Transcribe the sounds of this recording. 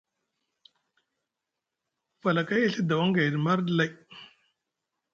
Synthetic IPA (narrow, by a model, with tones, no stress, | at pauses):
fa˨la˨ka˦je˦˨ɬi˦d̪a˨wa˦ŋɡa˨jɾi˨ma˦ɾdla˦j